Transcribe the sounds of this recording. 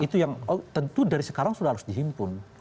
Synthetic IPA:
it̪ujaŋt̪ənt̪udaɾisə̥kaɾaŋsudahaɾʊsdiɦimpʊn

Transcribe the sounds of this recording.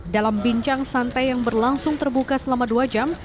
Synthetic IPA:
dalambiɲt͡ʃaŋsant̪ajaŋbərlaŋsʊŋt̪ərbukasəlamaduad͡ʒam

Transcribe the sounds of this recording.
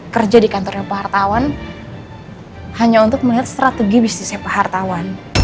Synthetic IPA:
kərd͡ʒadikant̪ɔrɲapahart̪awan | haɲaunt̪ʊk̚məliɦat̪̚st̪ɾat̪eɡibist̪isapahart̪awan

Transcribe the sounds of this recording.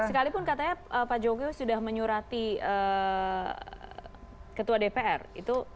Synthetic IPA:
ssəkalipʊnkat̪aɲaəpad͡ʒokewsudahməɲuɾat̪iə | kət̪uadepeɛ̰rḭt̪u

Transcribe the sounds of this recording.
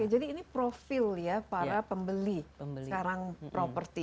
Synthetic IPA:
ed͡ʒadiːnipɾofɪljapaɾapəmbəliəkaɾaŋpɾopərt̪i

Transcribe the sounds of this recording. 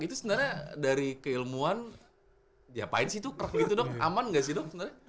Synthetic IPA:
ɡit̪usənərɲadaɾikəilmuan | japa̰ɪnsit̪ukərək̚ɡit̪udɔk̚a̰manŋɡaʔsɪhdɔksənarɲa

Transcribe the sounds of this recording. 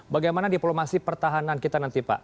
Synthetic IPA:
baɡajmanadiplomasipərt̪aɦanankit̪anant̪ipa̰ʔ

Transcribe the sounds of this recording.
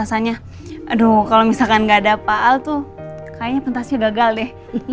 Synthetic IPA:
asaɲa | dokalomisalkanɡaːdapaʔalt̪ukajaɲapənt̪asɲaɡaɡaldɪh

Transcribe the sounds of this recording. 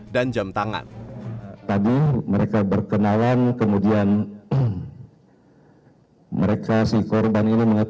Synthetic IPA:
dand͡ʒamt̪aŋa̰n | t̪adiməɾekabərkənalankəmudian | məɾekasikɔrbaniniməŋət̪

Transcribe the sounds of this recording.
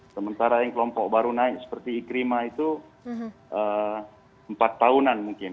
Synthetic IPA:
səmənt̪aɾajaŋkəlɔmpɔk̚baɾunaɪk̚sə̥pərt̪iːkɾimait̪u | ʔə | mpat̪ːaunanmuŋkɪn

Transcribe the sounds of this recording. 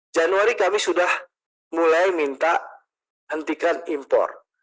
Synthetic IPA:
d͡ʒanuaɾikamisudah | mulajmint̪a | hənt̪ikanimpɔ̰r

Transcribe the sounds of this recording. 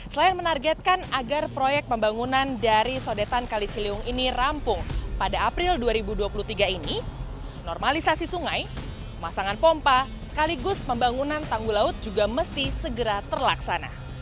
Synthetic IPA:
səlainmənarɡɛt̪̚kanaɡarpɾojɛk̚pəmbaŋunandaɾisodet̪ankalisiliʊŋinirampʊŋpadaːpɾɪlduaɾibuduapulut̪iɡaini | nɔrmalisasisuŋaj | masaŋanpɔmpa | sə̥kaliɡʊspəmbaŋunant̪aŋɡulaʊt̪̚d͡ʒuɡaməst̪isəɡəɾat̪ərlaksana̰

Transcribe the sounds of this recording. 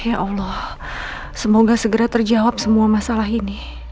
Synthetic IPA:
jaʔɑlɔh | səmoɡasəɡəɾat̪ərd͡ʒawap̚səmuamasalaɦini

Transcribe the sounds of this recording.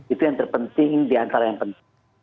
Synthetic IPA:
it̪ujaŋt̪ərpənt̪ɪŋdiant̪aɾajaŋpənt̪

